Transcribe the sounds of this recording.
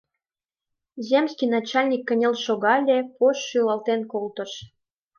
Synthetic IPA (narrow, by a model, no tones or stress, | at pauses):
zʲemskijnɑt͡ɕɑlʲnʲikːə̆nʲelʃoɣɑlʲepoʃːylɑlt̪enkolt̪ə̆ʃ